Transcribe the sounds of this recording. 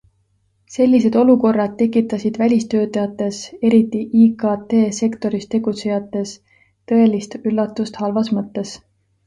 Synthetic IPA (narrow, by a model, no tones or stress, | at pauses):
se̞lʲːise̞d̪̥o̞luko̞rːɑd̪̥̚t̪ːe̞kːˑit̪ːˑɑsid̪̥vælʲist̪ø̞ːt̪ːˑɑjɑt̪ːˑe̞se̞ɾit̪ːˑiʔikɑt̪e̞ːse̞kt̪o̞ɾist̪e̞ɡ̥ut̪se̞jɑt̪ːˑe̞s | t̪ɤ̞e̞list̪ylːɑt̪ːˑust̪hɑlvɑsmɤt̪ːe̞s